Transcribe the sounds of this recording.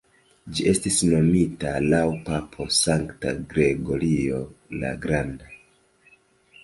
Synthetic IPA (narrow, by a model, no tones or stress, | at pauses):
d͡ʒiʔe̞stisno̞mitalawpapʰo̞saŋkta̰ɡɾe̞ɡo̞ɾio̞la̰ɡɾanda